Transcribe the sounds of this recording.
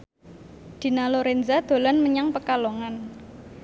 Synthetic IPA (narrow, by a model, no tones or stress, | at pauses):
d̪̥i̤naloɾenzad̪̥o̤lanməɲaŋpəkaloŋan